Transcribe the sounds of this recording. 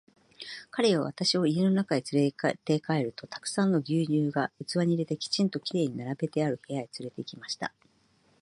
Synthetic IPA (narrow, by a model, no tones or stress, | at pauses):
kaɾe̞βaβ̞at̪aɕio̞ienonakaɲit͡sɾet̪e̞kae̞ɾɯ̟t̪o̞t̪ḁkɯ̟̥sãnːo̞ɡʲɨːɲɨːɡajɯ̟t͡sɨβaɲ̟iɾe̞t̪e̞kʲi̥t͡ɕĩnt̪o̞kʲiɾe̞ːɲ̟inaɾabe̞t̪e̞aɾɯ̟he̞jait͡sɨɾe̞t̪e̞ikʲimaɕi̥t̪a̰